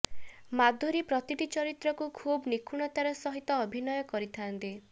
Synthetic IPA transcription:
mad̪ʱːoɾipɾɔt̪iʈit͡ʃɔɾit̪ɾɔkukʰubnikʰuɽ̃ɔt̪aɾɔsɔɦit̪ɔːbʱinɔjɔkɔɾit̪ʰant̪i

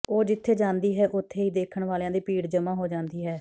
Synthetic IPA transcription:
oːd͡ʒɪt̪ʰːeːd͡ʒãːnd̪iːɦɛːʔʊt̪ʰːeːiːd̪eːkʰəɳʋaːljãːd̪iːpiːɽd͡ʒəmãːɦoːd͡ʒãːnd̪iːɦɛː

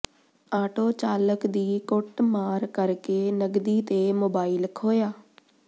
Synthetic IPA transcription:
aːʈoːt͡ʃaːləkd̪iːkʊʈmaːɾkəɾkeːnəɡd̪iːt̪eːmoːbaːilkʰoːjaː

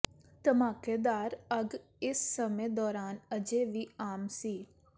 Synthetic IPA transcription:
t̪əmaːkeːd̪aːɾəɡ | ɪsːəmẽːd̪ɔːɾaːnəd͡ʒeːʋiːaːmsiː

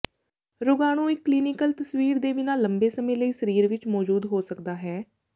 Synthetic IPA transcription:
ɾʊɡaːñũːɪkːliːnɪkəlt̪əswiːɾd̪eːʋɪnaːlːəmbeːsəmẽːləiːsəɾiːɾʋɪt͡ʃmɔːd͡ʒuːd̪ɦoːsəkd̪aːɦɛː

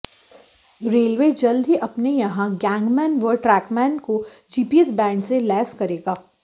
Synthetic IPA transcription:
ɾeːlʋed͡ʒɐld̪ʱɦiʔɐpnejɐɦãɡɛ̃ːŋɡmɛ̃ːnʋəɾʈɾɛːkmɛ̃ːnko | d͡ʒiːpiːɛsbɛ̃ːɳɖselɛːskɐɾeːɡaː

